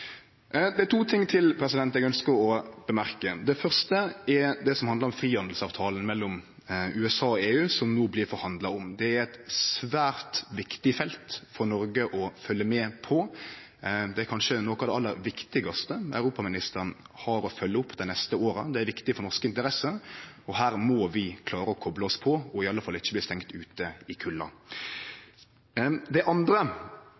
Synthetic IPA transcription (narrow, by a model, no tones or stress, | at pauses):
d̪ɛæt̪ʰuːt̪ʰɪŋːt̪ʰɪlpʰɾɛsɪd̪ɛnt̪ɛɡœnskəɾɔb̥əmæɾkəd̪ɛfœʁst̪əɛɾd̪ɛsɔmhɑnd̪ɾɔmfɾiːhɑnd̪l̩sɑːʋt̪ʰɑːln̩mɛlːɔm | ʉːɛsɑːɔeːʉːsɔmnoːblɪɾfɔɾhɑnd̪lɑɔmd̪ɛæɾɛt̪sʋæːɾt̪ʋɪkt̪ɪfɛlt̪fɔɾnɔɾɡəʔɔfœlːəmɛːpʰɔ | d̪ɛæɾkʰɑnʃənoːkɑʋd̪ɛɑlːəɾʋɪkt̪ɪɡɑst̪əɑ̰ʉɾuːpɑmɪnɪst̪əɾənhɑɾɔfœlːəʊpːd̪ɛɪnɛst̪əoːɾəd̪ɛæɾʋɪkt̪ɪfɔɾnɔɾʂkəɪnt̪əɾɛsəɔɦæːɾmɔʋɪkʰlɑːɾəɔkʰɔbləɔspʰɔɔɪɑlːəfɑlːəɪçːəblɪːst̪ɛŋkt̪ʉːt̪əɪkʰʉlːɑ̰ | d̪ɛʔɑnd̪ɾə